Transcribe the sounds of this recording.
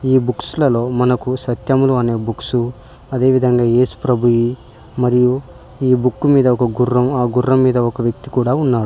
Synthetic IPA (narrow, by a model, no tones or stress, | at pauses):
iːbuksulɐlo̞ːmɐnɐkusɐt̪jɐmuluɐne̞ːbuksu | ɐd̪e̞ːʋid̪ʱɐŋɡaːjeːsu̥pɾɐbʱuʋi | mɐɾiju | iːbukːumiːd̪ɐɔkɐɡurːɐmaːɡurːɐmːiːd̪ɐɔkɐʋjɐk̚t̪ikuːɽaːunːaːɾu